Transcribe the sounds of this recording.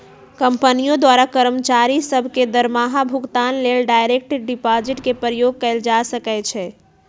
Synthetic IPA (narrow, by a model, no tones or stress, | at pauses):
kəmpənijõd̪waɾakəɾəmt͡ʃaɾisəbʱked̪əɾmaɦabʱuɡt̪anlelɖajɾek̚ʈɖipad͡ʒiʈkepɾəjoɡ̚kəɪld͡ʒasəkɛt͡ʃʰɛ